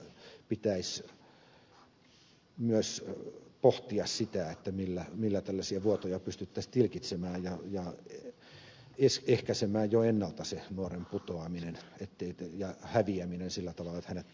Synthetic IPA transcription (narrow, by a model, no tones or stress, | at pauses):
pit̪æis | myøspoht̪iɑssit̪æet̪ːæmilːæmilːæt̪ælːæsiæʋuot̪ojɑpyst̪yt̪ːæst̪ilkit̪semæːjɑjɑ | esehkæsemæːjjoenːɑlt̪ɑsenuoremput̪oɑminenet̪ːeijɑhæʋiæminensilːæt̪ɑʋɑlːɑet̪hænet̪